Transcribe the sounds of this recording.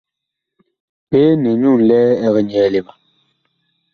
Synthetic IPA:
peː˦nɛ˨ɲu˦˨n˨lɛː˦ɛ˦ɣɛ˦ɲ˨ɛː˨˦˨le˨ma˨

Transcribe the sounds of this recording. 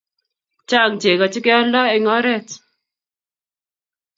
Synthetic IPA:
t͡ʃa˦˨ŋt͡ʃe˨ka˨t͡ʃɪ˦kɛ˦ɔ˦lɔ˦ɛ˨ŋɔ˦ɾɛ˦t

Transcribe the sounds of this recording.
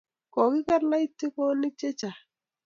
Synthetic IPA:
kɔ˨kɪ˦ka˦ɾla˦i˦tːi˦kɔ˦ni˦t͡ʃe˦t͡ʃa˨

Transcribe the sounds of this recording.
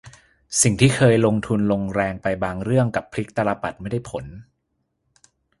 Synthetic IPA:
si˨˩ŋt̪ʰiː˥˩kʰɤː˧jlo˧ŋt̪ʰu˧nlo˧ŋɾɛː˧ŋpa˧jbaː˧ŋɾɯ˥˩əŋka˨˩pʰːli˦˥k̚t̪a˧ɾa˧pa˨˩t̪̚ma˥˩jda˥˩jpʰo˨˩˦n

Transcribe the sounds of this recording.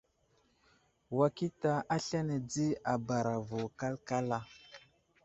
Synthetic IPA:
wa˨ki˦ta˨a˦ɬa˦ne˨d͡zi˦a˨ba˨ɾa˨vo˨ka˦lka˦la˦

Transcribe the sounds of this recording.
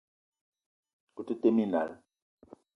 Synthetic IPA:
ku˨tu˦te˦mi˦na̰˨l

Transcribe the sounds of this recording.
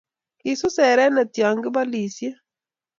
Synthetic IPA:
i˨su˦sɛ˨ɾɛ˦nɛ˨tja˨ŋɡɪ˦ba˦li˨sje˦

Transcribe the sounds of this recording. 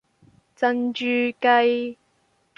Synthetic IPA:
t͡sɐ˧nt͡ʃyː˨˧kɐ˧j

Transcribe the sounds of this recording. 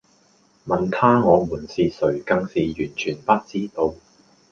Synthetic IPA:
mɐ˨nt̪ʰaː˥ŋɔː˨˧muː˨˩nsiː˨sɵ˨˩ɥkɐ˧ŋsiː˨jyː˨˩nt͡ʃʰyː˨˩npɐ˥t̚t͡siː˥t̪o˧w

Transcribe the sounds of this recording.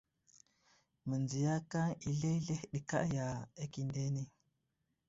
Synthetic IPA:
mə˨nzi˨ja˦ka˦ŋi˨ɮe˦ɮe˦hɗi˨ka̰˦ja˨e˦ki˨nde˦ne˦

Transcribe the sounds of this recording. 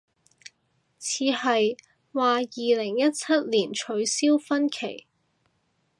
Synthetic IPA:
t͡sʰiː˨˧hɐ˨j | waː˨jiː˨lɪ˨˩ŋjɐ˥t̚t͡sʰɐ˥t̚liː˨˩nt͡ʃʰɵ˨˧ɥsiː˥wfɐ˥nkʰe˨˩j

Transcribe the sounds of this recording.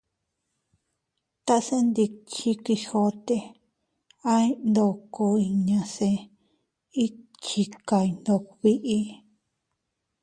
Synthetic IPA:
t̪a˦˧sẽ˦nd̪i˧t͡ʃĩ˦ki˧ho˧t̪e˧ | a˦i˦nd̪o˧ko˧i˧ɲã˧sẽ˧ | i˦ | t͡ʃi˧ka˧i˧nd̪o˧˨wi˧ʔi˧

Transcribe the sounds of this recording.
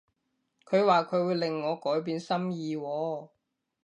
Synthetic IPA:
kʰɵ˨˧ɥwaː˨kʰɵ˨˧ɥwuː˨˧jlɪ˨˩ŋːɔː˨˧kɔː˨˥jp̬iː˨˧nsɐ˥mjiː˨˧wɔː˨˧

